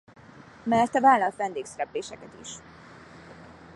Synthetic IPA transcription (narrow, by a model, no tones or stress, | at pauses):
mɛrt̪ɒvaːlːɒlt̪ʋɛnd̪eːksɛɾɛpleːʃɛkɛt̪ḭʃ